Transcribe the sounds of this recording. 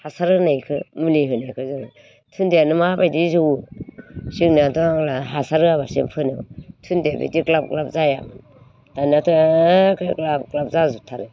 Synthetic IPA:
hasaɾɯnajkʰɯmuliɦɯnajkʰɯzanɯ | tʰundeanɯmabajdizuw | siŋnadɔaŋlaɦasaɾɯaβasḛmpʰɯnɯ̰wtʰundebḭdiklap̚klap̚zajam | tanatʰɯkʰɯklab̚klap̚zazutʰaɾɯ

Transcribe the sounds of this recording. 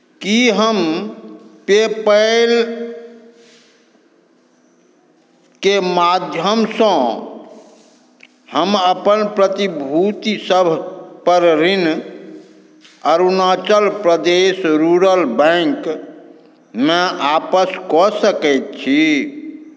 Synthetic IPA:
kiɦəm | pepəɪl | kemad̪ʱjəmsə̃ | həməpənpɾət̪ibʱut̪isəbʱpəɾɾin | əɾunat͡ʃəlpɾəd̪esɾuɾəlbɛ̃ŋk | meapəskɔsəkɛt̪̚t͡ʃʰi

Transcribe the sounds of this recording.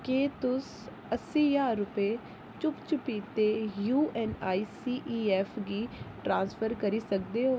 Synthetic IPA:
keːt̪ʊs | əsiːjaːɾːʊpeː | t͡ʃʊpt͡ʃʊpiːt̪eːjuːʔɛːnaːiːsiːʔiːɛːpʰɡiːʈɾãːnspʰəɾkəɾiːsək̚d̪eːɦoː

